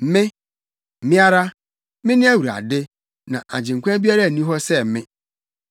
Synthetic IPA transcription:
m̩˦mɪ̃˦ | m̩˨mɪ̃˦a˦ɾa˦ | mɪ̃˦nɪ̃˦æ˦wu˨ɾa̰˨dɪ˦ | nã̰˨ʔa̰˨d͡ʑɪ̃˨ŋ̩˨kʷã˦bi˦a˦ɾa˦˨nĩ˦ɦɔ˦sɛ˦˨mɪ̃˦

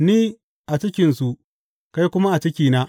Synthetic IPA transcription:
niː˦ | ʔa˨t͡ʃɪ˦kʲɪ˨nsu˨ʔ | ka˦jkʷʊ˦ma˦ʔa˨t͡ʃɪ˦kʲiː˨na˦

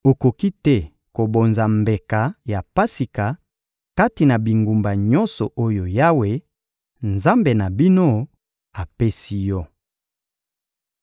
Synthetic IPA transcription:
o˨ko˨ki˦tɛ˦ | ko˨bo˨nza˨mbe˨ka˨ja˨pa˦si˨ka˨ | ka˦ti˨na˨bi˨ŋɡu˨mba˨ɲɔ˦nsɔ˨ʔo˦jo˨ja˦we˦ | nza˦mbe˨na˨bi˦no˦ | a˨pe˦si˦jɔ˦

